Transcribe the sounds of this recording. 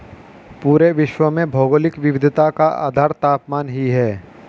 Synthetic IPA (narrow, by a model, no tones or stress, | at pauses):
puːɾeʋɪʃwəmẽbʱoːɡoːlɪkʋɪʋɪd̪ʱt̪akaʔa̰ːd̪ʱaːɾt̪aːpmaːnɦiɦɛː